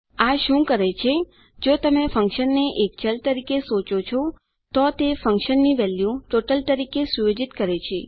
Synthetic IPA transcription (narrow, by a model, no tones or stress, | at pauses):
aʃũkəɾet͡ʃʰe | d͡ʒot̪əmefə̃ŋkʃənːeʔekt͡ʃəlt̪əɾikesot͡ʃot͡ʃʰɔ | t̪ɔt̪efə̃ŋkʃənːiʋɛljuʈoʈəlt̪əɾikesuʋed͡ʒit̪kəɾet͡ʃʰe